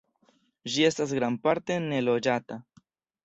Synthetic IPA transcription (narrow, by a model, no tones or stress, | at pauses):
ʒiest̪aszɡɾampaɾt̪enelod͡ʒat̪a